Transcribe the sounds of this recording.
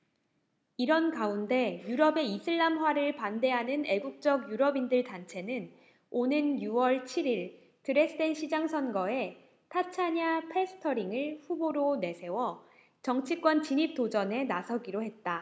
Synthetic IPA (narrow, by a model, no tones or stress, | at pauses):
iɾʌnkaunde̞juɾʌbe̞isʰɯɭːamɦwaɾɯɭpande̞ɦanɯne̞ɡuk̚t͡ɕ͈ʌɡjuɾʌbindɯɭtant͡ɕʰe̞nɯn | onɯnjuwʌɭt͡ɕʰiɾiɭ | tɯɾe̞sʰɯdenɕʰid͡ʑaŋsʰʌnɡʌe̞ | tʰat͡ɕʰaɲapʰe̞sʰɯ̥tʰʌɾiŋɯɭɸuboɾone̞sʰe̞wʌ | t͡ɕʌŋt͡ɕʰik͈wʌnt͡ɕiɲip̚t͈od͡ʑʌne̞nasʰʌɡiɾoɦe̞t̚t͈a